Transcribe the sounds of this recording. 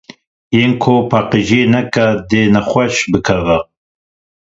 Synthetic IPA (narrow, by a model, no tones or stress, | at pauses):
jeːnkʰopʰaːqiʒeːnɛkɐd̪enɛxʷɛʃbɨkʰɐvɛ